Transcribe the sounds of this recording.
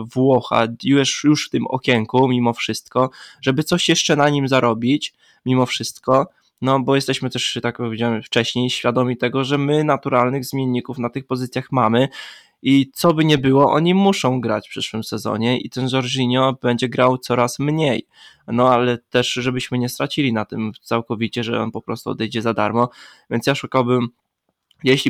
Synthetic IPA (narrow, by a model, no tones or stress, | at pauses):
vwɔxa̰uwɛʂjuʂft̪ɘmɔ̰kʲjɛŋkumʲimɔfʂɘst̪̚kɔʐɛbɘt̪sɔɕjɛʂt͡ʂɛnaɲimzaɾɔbʲit͡ɕ | mʲimɔfʂɘst̪kɔ | nɔbɔjɛst̪ɛɕmɘt̪ɛʂt̪ak̚pɔvʲed͡ʑawɛmft͡ʂɛɕɲejɕfʲjad̪ɔmʲit̪ɛɡɔʐɛmɘnat̪uɾalnɘɣzmʲjenːikufnat̪ɘxpɔzɘt̪sʲjaxmamɘ | it̪sɔbɘɲɛbɘwɔʔɔ̰ɲimuʂɔ̃w̃ɡɾa̰t͡ɕfpʂɘʂwɘmsɛzɔ̰ɲɛʔḭt̪ɛnzɔɾʐiɲɔbɛɲd͡ʑɛɡɾawt̪sɔɾasmɲej | nɔalɛt̪ɛʂʐɛbɘɕmɘɲɛst̪ɾat͡ɕilʲinat̪ɘmt̪sawkɔvʲit͡ɕɛʐɛ̰ɔ̰npɔpɾɔst̪uɔ̰d̪ɛjd͡ʑɛzad̪a̰ɾmɔvʲjɛntsjaʂukawbɘm | jɛɕlʲi